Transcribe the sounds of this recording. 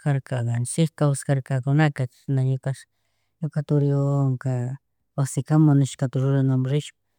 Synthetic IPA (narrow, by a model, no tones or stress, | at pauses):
kaɾkaɡɑnt͡ʃɪkkawskaɾkakʊnakḁ | naɲʊkaʃ | ɲʊkat̪ʊɾjoŋka | wasɪkamʊnɪʃkat̪aɾʊɾanamɾɪʃpḁ